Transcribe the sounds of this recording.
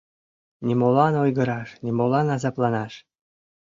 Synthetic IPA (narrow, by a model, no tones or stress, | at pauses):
nʲimolɑnojɡə̆ɾɑʃnʲimolɑnɑzɑplˠɑnɑʃ